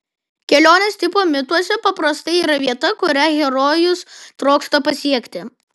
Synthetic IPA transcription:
kʲɛlʲoːnʲɛst̪ʲɪpoːmʲɪt̪uɔsʲɛpɐpɾɐst̪ɐɪiːɾɐʋʲiɛt̪ɐkʊɾʲæɣʲɛɾoːjʊst̪ɾɔːkst̪oːpɐsʲiɛkʲt̪ʲɪ

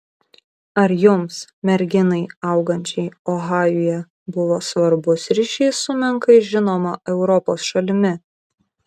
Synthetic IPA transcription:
ɐɾjʊmsmʲɛɾʲɡʲɪnɐɪɐˑʊɡɐnʲt͡ʃʲɛɪɔɣɑːjʊjɛ | bʊʋoːsʋɐɾbʊsɾʲɪʃʲiːsʊmʲɛŋkɐɪʒʲɪnoːmɐʔɛʊɾɔpoːsʃɐlʲɪmʲɪ

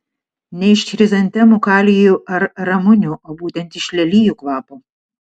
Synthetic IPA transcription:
nʲɛɪʃʲtʲɾʲɪzɐnʲt̪ʲɛmukɑːlʲɪjuʔɐɾɾɐmʊnʲuʔoːbuːt̪ʲɛnˑt̪ɪʃʲlʲɛlʲiːjuːkʋɑːpu

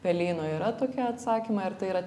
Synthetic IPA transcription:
pʲɛlʲiːnoːiːɾɐt̪oːkʲɛɐt̪sɑːkʲimɐɪɾt̪ɐɪiːɾɐ

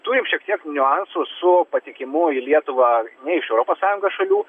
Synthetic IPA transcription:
t̪uːɾʲɪmʃʲiɛk̚t̪ʲiɛknʲʊɑnsʊsʊpɐt̪ʲɪkʲɪmʊilʲiɛt̪ʊʋɑːnʲɛɪʃɛʊɾoːpoːssɑːjʊŋɡosʃɐlʲuː

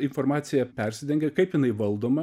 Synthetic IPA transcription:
ɪnfoɾmɑːt̪sʲɪjɛpʲɛɾʲsʲɪd̪ʲɛŋɡʲɛkɐɪpjɪnɐɪʋɐlˠd̪oːmɐ

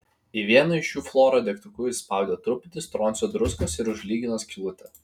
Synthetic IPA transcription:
iʋʲiɛnɐɪʃjuːflˠoːɾod̪ʲɛkt̪ʊkʲuːɪspɑˑʊd̪ʲɛt̪ɾʊpʲɪt̪ʲɪst̪ɾɔːnʲsʲod̪ɾʊskɐsɪɾʊʒʲlʲiːɡʲɪnɐskʲlʲˠʊt̪ʲɛ

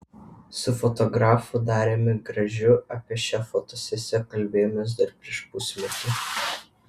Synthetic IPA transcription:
sʊfɔt̪ɔɡɾɑːfʊd̪ɑːɾʲeːmʲɪɡɾɐʒʲʊɐpʲiɛʃʲɛfɔt̪ɔsʲɛsʲɛkɐlʲbʲeːjʊmʲʊs̬d̪ɐɾpʲɾʲiɛʃpʊsʲmʲɛt̪ʲʊ

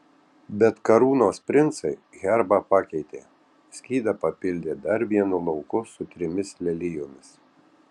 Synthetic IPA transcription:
bʲɛt̪kɐɾuːnoːspʲɾʲɪnt̪sɐɪ | ɣʲɛɾbɑpɑːkʲɛɪt̪ʲeː | sʲkʲiːd̪ɐpɐpʲɪlʲd̪ʲeːd̪ɐɾʋʲiɛnʊlˠɐʊkʊsʊt̪ʲɾʲɪmʲɪslʲɛlʲɪjoːmʲɪs

